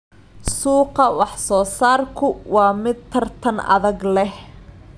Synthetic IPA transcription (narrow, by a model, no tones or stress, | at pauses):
suːqɑwɑħsɔːsaːrkʰʊwɑːmɪd̪̚t̪ʰɐrt̪ʰɐnɐ̰ðɐɡlɛh